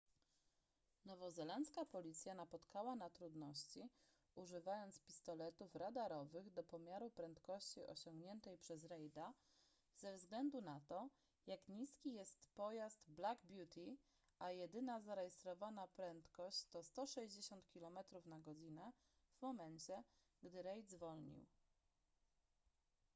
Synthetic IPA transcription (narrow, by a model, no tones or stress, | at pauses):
nɔvɔzɛlant̪skapɔlʲit̪sʲjanapɔt̪kawanat̪ɾud̪nɔɕt͡ɕi | uʐɘvajɔnt̪spʲi̥st̪ɔlɛt̪ufɾad̪aɾɔvɘɣd̪ɔpɔmʲjaɾupɾɛnt̪kɔɕt͡ɕiʔɔ̰ɕɔŋɡɲɛnt̪ɛjpʂɛzɾɛjd̪a | zɛvzɡlɛnd̪unat̪ɔ | jakɲiskʲijɛst̪pɔjast̪blaɡbʲjut̪ʰʲi | ʔajɛd̪ɘnazaɾɛjɛst̪ɾɔvanapɾɛnt̪kɔɕt͡ɕt̪ɔst̪ɔʂɛʑd͡ʑeɕɔnt̪kʲilɔmɛt̪ɾufnaɡɔd͡ʑinɛ | vmɔmɛnt͡ɕɛ | ɡd̪ɘɾɛjd̪zvɔlɲḭw